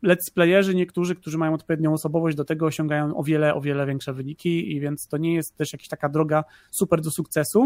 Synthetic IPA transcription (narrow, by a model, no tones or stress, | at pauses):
lɛt̪si̥plɛjɛʐɘɲɛkt̪uʐɘk̚t̪uʐɘmajɔ̃w̃ɔt̪̚pɔvʲjed̪ɲɔ̃w̃ɔsɔbɔvɔʑd͡ʑd̪ɔt̪ɛɡɔːɕɔ̃ŋɡajɔ̃w̃ɔ̰vʲjɛlɛʔɔ̰vʲjɛlɛvʲjɛŋkʂɛvɘɲikʲiivʲjɛnt̪st̪ɔɲɛjɛst̪̚t̪ɛʂjakʲe̥ɕt̪akad̪ɾɔɡa | supɛɾd̪ɔsukt̪sɛsu